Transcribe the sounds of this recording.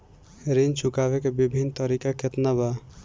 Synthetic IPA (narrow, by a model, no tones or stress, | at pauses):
ɾint͡ʃʰukaβekebibʱint̪ʌɾikaket̪naba